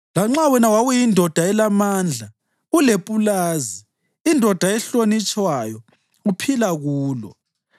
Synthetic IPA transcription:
laŋ͡ǁawɛnawaɣujindʱɔd̥ʱaɛlamaːnd͡ɮʱa | ulepʼulaːziː | ndʱɔd̥ʱaɛɬonit͡ʃʼwajɔ | ɣupʰilaɣuːlɔ̰

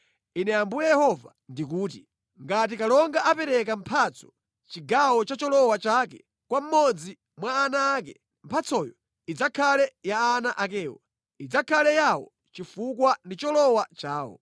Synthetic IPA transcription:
inɛambujɛjɛhɔva | ndik̬uːti | ŋɡat̬ikalɔŋɡaʔapɛɾɛkam̩pʰat͡sɔ̥ | t͡ʃiɡawɔt͡ʃat͡ʃɔlɔwat͡ʃakɛ | kwam̩mɔd͡zi | mwaːnaːk̬ɛ | m̩pʰat͡sɔjɔ | id͡zakʰalɛjaːnaʔak̬ɛːwa | id͡zakʰalɛjawɔ̰ | t͡ʃifukwandit͡ʃɔlɔwat͡ʃaːwɔ̰

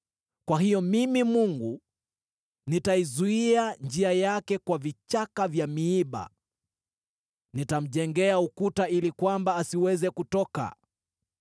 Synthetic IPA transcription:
kwaɦijɔmimimuŋɡu | nitaizuiand͡ʒiajakɛkwavit͡ʃakavjamiiɓa̰ | nitam̩ʄɛŋɡɛaukutailikwambaːsiwɛzɛkutɔka̰

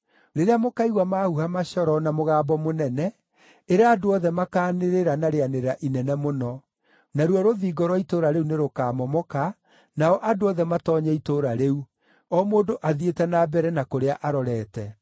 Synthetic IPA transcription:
ɾeɾeamokaiɣwamahuhamaɕɔɾɔnamoɣaːbɔmonɛnɛ | eɾeaːdoɔðɛmakaːneɾeɾanaɾeaneɾaʔinɛnɛmonɔ | naɾwɔɾoðiːɡɔɾwɔitoɾaɾeuneɾokaːmɔmɔka | naɔʔadoɔðɛmatɔɲɛitoɾaɾeu | ɔmoːdoʔaðietɛnabɛɾɛnakoɾeaʔaɾɔɾɛːtɛ

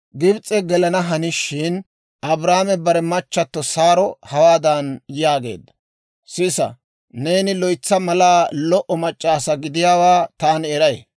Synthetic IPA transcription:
ɡɪbt͡sʼːɛɡɛlɐnɐɦɐnɪʃɪn | ɐbɾaːmɛbɐɾɛmɐt͡ʃːɐt̪ːɔsaːɾɔhɐwaːd̪ɐnjaːɡe̞̰ːd̪ːɐ̥ | sɪsɐ̰ | ne̞ːnɪlɔjt͡sːɐmɐlaːlɔʔɔmɐt͡ʃʼːaːsɐɡɪd̪ɪjaːwaːt̪aːnɛɾɐj

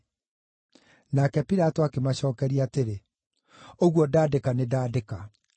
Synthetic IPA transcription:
nakɛpiɾatoakemaɕɔːkɛɾiateɾe | oɣwɔdaːdekanedaːdeka

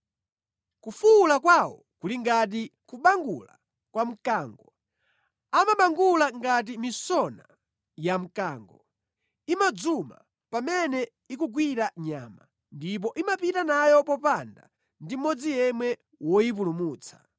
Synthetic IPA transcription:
kufulakwawɔ̰ | kuliŋɡat̬ikuɓaŋɡula̰ | kwam̩kaːŋɡɔ | amaɓaŋɡulaŋɡat̬imisɔna̰ | jam̩kaːŋɡɔ | imad͡zuma̰ | pamɛnɛ | ik̬uɡwiɾaɲa̰ːma | ndip̬ɔʔimapitanajɔpɔpanda̰ | ndimɔd͡zijɛmwɛ | wɔjip̬ulumuːt͡sʰḁ

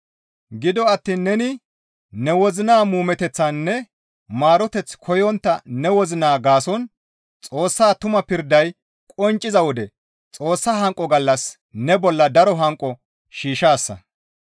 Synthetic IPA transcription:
ɡɪd̪ɔɐt̪ːiːnːɛnɪ | nɛwɔzɪnaːmuːmɛt̪ɛt͡sːɐnːɛ | maːɾɔt̪ɛt͡skʰɔjɔnt̪ːɐnɛwɔzɪnaːɡaːsɔn | t͡sʼo̞ːsːaːt̪ʊmɐpɪɾd̪ɐj | kʼɔnt͡ʃʼːɪzɐwɔd̪ɛ | t͡sʼo̞ːsːɐɦɐŋkʼːɔɡɐlːɐs | nɛbɔlːɐd̪ɐɾɔɦɐŋkʼːɔ | ʃiːʃaːsːɐ̰

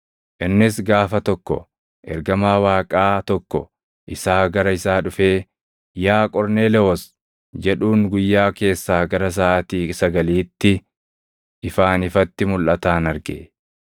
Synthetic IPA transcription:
ʔɪnːɪsɡaːfɐt̪ɔkːɔ̰ | ʔɛɾɡɐmaːwaːkʼaːt̪ɔkːɔ̰ | ʔɪsaːɡɐɾɐɪsaːᶑʊfe̞ː | jaːkʼɔɾne̞ːlɛɔs | d͡ʒɛᶑuːŋɡʊjːaːke̞ːsːaːɡɐɾɐs̬aːʔɐt̪iːsɐɡɐliːt̪ːɪ | ʔɪfaːnɪfɐt̪ːɪmʊlʔɐt̪aːnɐɾɡḛ

